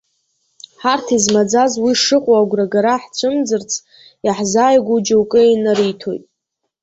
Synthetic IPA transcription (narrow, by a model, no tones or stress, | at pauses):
ħartʰizmad͡zazwiʂɨqʷʼoaɡʷraɡaɾaħt͡ʃʷʰɨmd͡zɨrt͡sʰ | jaħzaːjɡʷud͡ʒawkʼɨinaɾijtʰo̞̰jtʼ